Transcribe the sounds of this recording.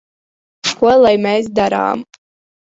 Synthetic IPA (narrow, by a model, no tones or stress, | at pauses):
kuɔlˠajmeːs̬d̪aɾa̰ːm